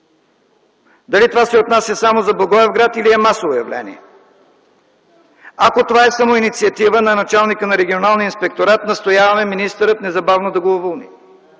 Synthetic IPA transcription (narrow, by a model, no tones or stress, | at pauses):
d̪ɐlit̪ovasɛot̪nasʲjɐsamozɐboɡɔɛvɡɾat̪iliɛmasovojɐ̰vlɛ̰nḭɛ | akot̪ovaɛsamoinit̪siɐt̪ivənɐnɐt͡ʃalˠnikənɐɾɛɡʲionalˠniinspɛk̚t̪oɾat̪nɐst̪ojavɐmɛminist̪əɾət̪nɛzɐbavnod̪ɐɡoovolˠnḭ